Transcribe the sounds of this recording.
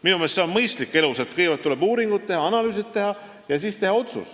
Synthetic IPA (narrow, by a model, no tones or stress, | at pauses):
minumestseonmɤjst̪likːˑe̞luset̪ˑkɤjvɑt̪ːule̞buːɾiŋɡut̪̚ːe̞ɦɑɑnɑlyːs̬it̪ːe̞ɦɑ | jɑsist̪e̞hɑo̞t̪sṵs